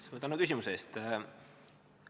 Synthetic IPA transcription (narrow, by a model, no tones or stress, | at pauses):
svɤt̪ːˑɑnukys̬ʲimuseeːst̪